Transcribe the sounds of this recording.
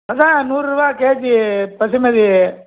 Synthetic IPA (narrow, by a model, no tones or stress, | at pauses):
ɐd̪anuːɾubaːkeːd͡ʒipɐsimɐd̪i